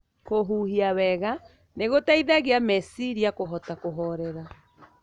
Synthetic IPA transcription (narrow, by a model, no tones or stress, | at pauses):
koɦuhiawɛɣa | neɣotaiðaɣeamɛsiɾiakoɦɔtakoɦɔɾɛɾa